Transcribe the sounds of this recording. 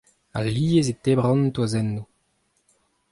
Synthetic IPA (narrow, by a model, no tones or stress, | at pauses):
a̰lːiːezet̪ebʁɔ̃nt̪wazɛnːu